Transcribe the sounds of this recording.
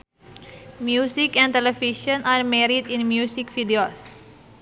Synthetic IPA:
mjusikɛ̃nt̪ɛlɛfiʃə̃naɾmɛɾidĩnmjusikfidios

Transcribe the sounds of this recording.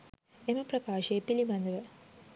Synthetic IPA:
emɐprɐkaːʃɐepilibɐnd̪ɐʋə

